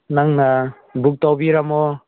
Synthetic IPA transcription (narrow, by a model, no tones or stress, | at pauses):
naŋna | buk̚tawbiɾamɔ